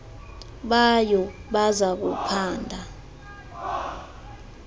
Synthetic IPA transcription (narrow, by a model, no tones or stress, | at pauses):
ɓajɔɓazak̬upʰaːndʱa